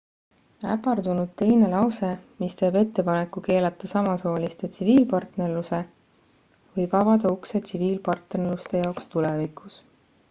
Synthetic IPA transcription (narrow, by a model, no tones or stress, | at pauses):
æ̰pːˑɑrd̪unud̪̥̚t̪e̞jne̞lɑwse̞mist̪e̞ːbe̞t̪ːe̞pɑne̞kːuke̞ːlɑt̪ːˑɑsɑmɑso̞ːlist̪et̪siviːlpɑrt̪ne̞rluse̞ | vɤjb̥ɑvɑd̪ɑukse̞t̪siviːlpɑrt̪nerlust̪e̞jɑokst̪ulevikˑus